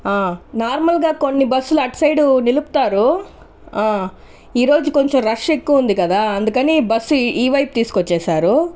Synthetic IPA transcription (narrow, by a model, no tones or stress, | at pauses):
aːnaːɾmɐlɡaːko̞nːibɐsːuluɐʈsɐjɖunilupu̥t̪aːɾu | aː | iːɾo̞ːd͡ʒuko̞ɲt͡ʃomɾɐʂekːuːund̪ikɐd̪aːɐnd̪ukɐnibɐsːuiːʋɐjp̚t̪iːsu̥kot͡ʃːɛːsaːɾu